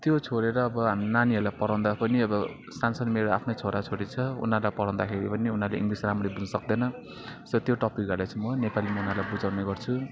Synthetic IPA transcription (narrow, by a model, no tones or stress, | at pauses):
t̪jot͡sʰoɾeɾʌːbʌɦamnaniɦʌrlajpʌɾaw̃d̪apʌniʌbʌ | sansʌnmeɾoa̰pʰnot͡sʰoɾat͡sʰoɾit͡sʰʌṵnarlajpʌɾãw̃d̪akʰeɾipʌniunaleiŋɡrisramrebud͡zʌsʌk̚d̪ʌnʌ | sʌt̪joʈʌpik̚ɡʌɾd̪at͡sʰumʌnepalimʌunaɾlajbud͡zawneɡʌrt͡sʰu